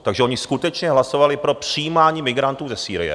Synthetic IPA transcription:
t̪aɡʒɛʔoɲɪskut̪ɛt͡ʃɲɛɦlaso̞valɪpɾo̞pr̥ɪjiːmaːɲiːmɪɡɾant̪uːzɛsiːɾɪ̰jɛ̰

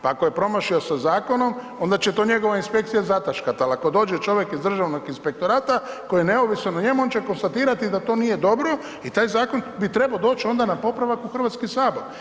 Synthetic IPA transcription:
paakoje̞pɾo̞maʃio̞sazaːko̞no̞m | o̞nd̪at͡ɕet̪o̞ːɲe̞ɡo̞ʋainspe̞kt̪sijazat̪aʃkat̪alako̞d̪o̞ːd͡ʒet͡ʃo̞ʋjekizd̪r̩ʒaʋnoɡinspe̞k̚t̪o̞ɾaːt̪a | ko̞jijene̞oʋisnonaɲe̞muo̞nt͡ʃeko̞nst̪at̪iːɾat̪id̪at̪o̞ːnije̞d̪o̞bɾo̞ | it̪aːjzaːko̞nbit̪ɾe̞baod̪o̞ːt͡ʃio̞nd̪anapo̞pɾaʋakuxr̩ʋat̪skisaːbo̞ɾ

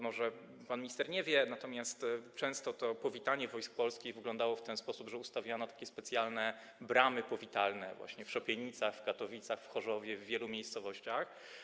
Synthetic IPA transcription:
mɔʐɛ | panmʲist̪ɛɾɲɛvʲjɛnat̪ɔmʲjast̪t͡ʂɛ̃w̃st̪ɔt̪ɔpɔvʲit̪aɲɛvɔjsk̚pɔlskʲiɣvɘɡlɔ̃nd̪awɔft̪ɛnspɔsubʐɛust̪avʲjanɔt̪akʲɛspɛt̪sʲjalnɛ | bɾamɘpɔvʲit̪alnɛ̰vwa̰ɕɲɛfʂɔpʲjɛɲit̪saxfɡat̪ɔvʲit̪saxfxɔʐɔvʲjɛvːʲjɛlumʲejst̪sɔvɔɕt͡ɕax

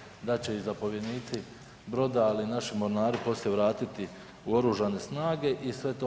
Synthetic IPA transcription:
d̪at͡ɕe̞izapo̞ʋje̞d̪niːt̪si | bɾo̞d̪ailinaʃimo̞ɾnaːɾipo̞sljeʋɾaːt̪it̪i | uo̞ɾuːʒane̞snaːɡe̞ʔisʋe̞t̪o

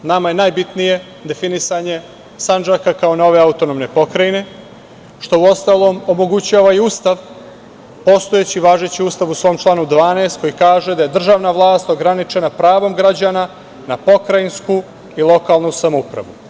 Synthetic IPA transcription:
namajenaːjbit̪nije̞ | d̪e̞finisaɲe̞ | sand͡ʒakakao̞no̞ʋe̞aut̪o̞nomne̞po̞kɾajine̞ | ʃt̪o̞uo̞st̪aːlˠo̞ːmo̞mo̞ɡut͡ɕaːʋaiust̪aʋ | po̞st̪oe̞t͡ɕiʋaːʒe̞t͡ɕiuːst̪aʋusʋo̞ːmt͡ʃlˠaːnud̪ʋaːneːst̪̚ko̞jikaːʒe̞d̪aje̞d̪r̩ʒaːʋnaʋlˠaːst̪o̞ɡɾanit͡ʃe̞napɾaːʋo̞mɡɾad͡ʑana | napo̞kɾainsku | ilˠo̞kalˠnusamoupɾa̰ʋu

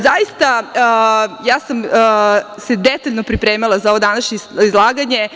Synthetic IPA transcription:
zajist̪a | jaːsamː | sed̪et̪aʎno̞pɾipɾeːmilˠazao̞ʋod̪anaʃɲeizlˠaːɡaɲe̞

